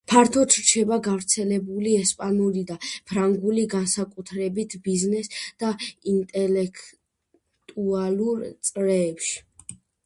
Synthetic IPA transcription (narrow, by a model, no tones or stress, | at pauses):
pʰaɾt̪ʰɔt͡ʃ̪ʰɾt͡ʃʰɛbaɡavɾt̪sʰɛlɛbuliɛspʼanulid̪apʰɾaŋɡuliɡansakʼut̪ʰɾɛbit̪ʰbiznɛsd̪̥aint̪ʼɛlɛkʰ | t̪ʼualˠuɾt̪sʼɾɛːpʃi̥